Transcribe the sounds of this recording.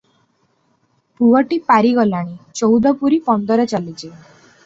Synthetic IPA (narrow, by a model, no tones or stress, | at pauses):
puwɔʈipaɾiɡɔlaɽ̃it͡ʃɔwd̪ʱɔpuɾipɔnd̪ɔɾet͡ʃalit͡ʃʰi